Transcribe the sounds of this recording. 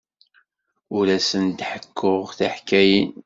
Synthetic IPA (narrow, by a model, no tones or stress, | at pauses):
ʊɾæsənt̪ħəkʰːʊʁθaħkːæjin